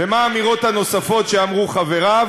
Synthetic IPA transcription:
emaːmiʁo̞t̪hano̞safo̞t̪ʃeamʁuχave̞ʁa

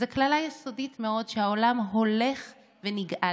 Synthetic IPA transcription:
zeklalajeso̞ditmeo̞dʃehaolamɦo̞le̞χ | veniɡʔa

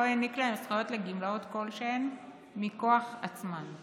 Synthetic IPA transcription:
ojaniklaemsχajot̪leɡimlaot̪ko̞lʃen | miko̞aχat͡sman

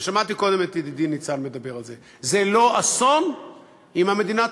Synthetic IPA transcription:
ʃamat̪iko̞d̪e̞met̪jed̪id̪init͡salme̞d̪abe̞ʁalze̞ | zelo̞ʔaso̞n | imhame̞d̪ina

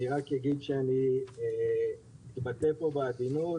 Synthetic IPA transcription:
iʁakjaɡid̪ʃeanienit̪bat̪epobaːd̪ino

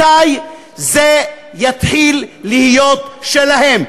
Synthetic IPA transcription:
aj | ze | jat̪ħilːihijo̞t̪ʃelaɦe̞m

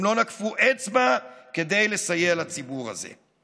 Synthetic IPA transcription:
mlo̞nakfuʔet͡smake̞d̪e̞jle̞sajelat͡sibuʁa̰zḛ

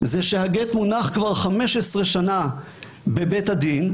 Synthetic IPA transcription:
zeʃehaɡet̪munaχkvaʁχameʃesʁeʃana | bebethad̪in

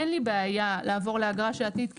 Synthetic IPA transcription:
enlibeajalaːvo̞ʁleaɡʁaʃeat̪id̪k

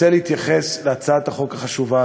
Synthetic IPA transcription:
eleit̪jaχesleat͡saat̪aχo̞kaχaʃuva

